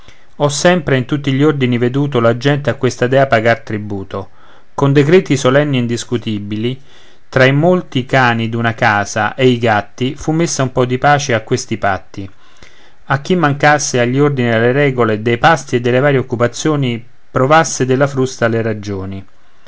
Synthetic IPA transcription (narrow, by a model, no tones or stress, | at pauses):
ɔsːɛmpɾeint̪ut̪ːiʎːiord̪inived̪uːt̪̬olad͡ʒɛnt̪eakwest̪ad̪ɛːapaɡart̪ɾibuːt̪o | kond̪ekɾɛːt̪isolɛnːiind̪iskut̪ibili | t̪ɾaimolt̪ikaːnid̪unakaːzaʔeiɡat̪ːifumːesːaumpɔd̪ːipaːt͡ʃeakːwest̪ipat̪ːi | ak̟ːimːaŋkasːeaʎːiord̪inid̪elːeɾɛːɡoled̪ejpast̪ied̪ːelːevaːɾjeokːupat̪sːjoːni | pɾovasːed̪elːafɾust̪aleɾad͡ʒoːni